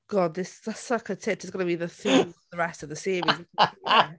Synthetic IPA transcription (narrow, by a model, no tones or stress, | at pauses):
ɡ̥ɔd̪̚ðɪsðəsəkʰətʰɪtʰɪzɡənəbiðəθuðəɹɛstəvðəseːvizi